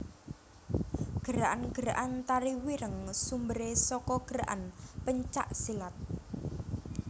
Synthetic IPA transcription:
ɡ̥əɾaʔanɡ̥əɾaʔant̪aɾiwiɾəŋsumbəɾesɔkɔɡ̥əɾaʔa̰npəɲt͡ʃa̰ʔsilat̪̚

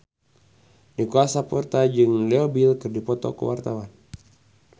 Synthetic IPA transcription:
dikuasapɔrt̪ad͡ʒɨŋlɛobilkɨrdipɔt̪ɔ̰kṵwart̪awan

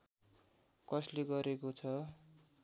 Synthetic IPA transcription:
kʌsleɡʌɾekot͡sʰʌ

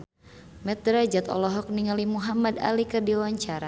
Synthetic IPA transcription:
mɛt̪̚ɾad͡ʒat̪ɔ̰lɔɦɔk̚niŋalimuɦamada̰likərdiwaɲt͡ʃaɾa

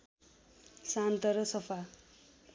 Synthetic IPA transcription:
sant̪ʌɾʌsʌpʰa

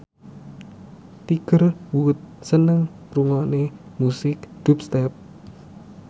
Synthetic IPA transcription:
t̪iɡ̥ərwuʊt̪̚sənəŋ | ruŋanemusɪkd̪̥up̚st̪ɛp̚

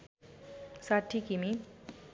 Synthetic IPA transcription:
saʈʰːikimi

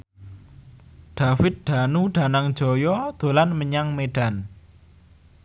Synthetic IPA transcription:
ɖ̥a̤fɪt̪̚ɖ̪̥a̤nuɖ̥ä̤naŋd̥d͡ʒ̥ɔ̤jɔd̪̥o̤lanməɲaŋmeɖ̥a̤n

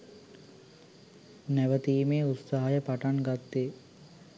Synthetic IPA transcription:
næʋət̪iːmeːut̪saɦajəpaʈaŋɡat̪ːeː

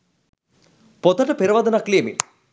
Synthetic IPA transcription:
pot̪ɐʈɐpeɾɐʋɐd̪ɐnakliːmḭ

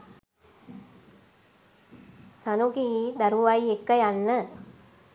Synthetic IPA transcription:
sanuɡiːd̪aɾuʋajekːəjanːə

